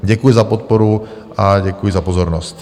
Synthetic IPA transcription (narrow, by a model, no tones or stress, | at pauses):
ɟɛkujɪzapɔt̪̚pɔɾu | aɟɛkujɪzapɔzɔɾnɔst̪